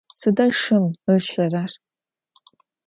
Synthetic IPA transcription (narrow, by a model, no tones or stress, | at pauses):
sɨdɐʂɨmɨʃɐrar